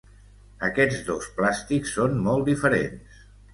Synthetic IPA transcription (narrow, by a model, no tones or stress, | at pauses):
əkɛd͡zðosplast̪iksːonmɔlˠt̪d̪ifəɾḛns